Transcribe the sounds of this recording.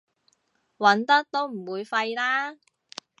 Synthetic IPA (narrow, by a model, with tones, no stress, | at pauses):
wɐ˨˥nt̪ɐ˥k̚t̪o˥wm̩˨˩wuː˨˧jfɐ˧jlaː˥